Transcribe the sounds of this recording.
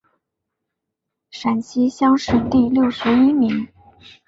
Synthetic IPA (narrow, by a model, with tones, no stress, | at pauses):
ʂa˨˩nɕʰi˥ɕjɑ˥ŋʂɻ̩˥˧t̪i˥˧ljo˥˩ʊʂɻ̩˧˥i˥mi˧˥ŋ